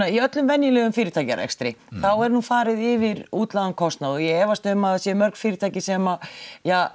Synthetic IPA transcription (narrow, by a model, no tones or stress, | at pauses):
aiœt̪lʏmvɛnjɪlɛːɣʏmfiːɾɪt̪ʰaːjcaɾɛ̰kst̪ɾɪ̰θawɛɾnuːnfaːɾɪðɪvɪɾuːt̪laðankʰɔst̪naðɔjɛɛːvast̪ʏmaðsjɛmœɾk̪fiːɾɪt̪ʰaːjcɪsɛmaja